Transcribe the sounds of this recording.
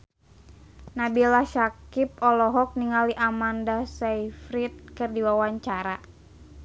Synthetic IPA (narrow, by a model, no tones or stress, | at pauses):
nabilaʃakip̚ɔlɔɦɔk̚niŋaliʔamandasaifɾit̪̚kɨrdiwawaɲt͡ʃaɾa